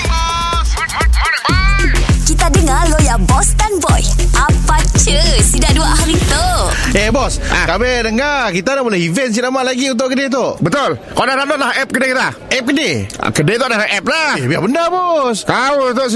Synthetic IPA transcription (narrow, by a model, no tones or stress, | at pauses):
kit̪adəŋalojabɔst̪anbɔ̰jʔapat͡ʃəsidaʔduaʔhaɾit̪oebɔsakabedəŋarkit̪anabolɛhivɛns̬inamaʔlaɡiunt̪̬ʊʔkədet̪̬oʔbət̪ʊlkaodadaloʔlahɛp̚kədekit̪aʔɛp̚kədḛkədet̪oʔdadaʔɛp̚labiabəndabɔskaot̪oʔ